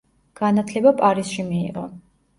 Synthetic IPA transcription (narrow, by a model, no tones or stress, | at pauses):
ɡ̥anat̪ʰlɛbapʼaɾisʃimḭːʁɔ